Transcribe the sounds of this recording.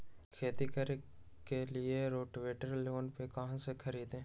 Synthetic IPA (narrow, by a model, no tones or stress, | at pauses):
kʰeːt̪ikəɾ | kːelieɾoːʈʋeːʈəɾloːnpekɐɦãsekʰɐɾiːd̪ɦẽː